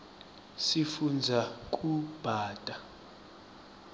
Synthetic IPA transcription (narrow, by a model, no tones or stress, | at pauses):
sifund͡zʱak̬ʼub̥ʱaːtʼa